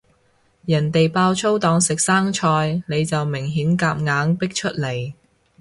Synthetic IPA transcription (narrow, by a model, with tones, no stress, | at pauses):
jɐ˨˩nt̪e˨jpaː˧wt͡sʰo˥wt̪ɔː˨˥ŋsɪ˨k̚saː˥ŋt͡ʃʰɔː˧jne˨˧jt͡sɐ˨wmɪ˨˩ŋɦiː˨˥nkaː˧p̚ŋaː˨˧˥ŋpɪ˥k̚t͡ʃʰɵ˥t̚le˨˩j